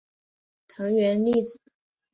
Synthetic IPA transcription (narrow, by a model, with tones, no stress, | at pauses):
t̪ʰɤ˧˥ŋɥɛ˧˥nli˥˩t͡sɹ̩˨˩˦